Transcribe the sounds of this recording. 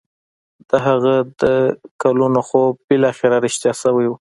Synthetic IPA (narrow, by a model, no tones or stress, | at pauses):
d̪̥əɦaɣad̪əkalunoxobɪlɑxeɾaɾɪʃt̪jɑsawajwu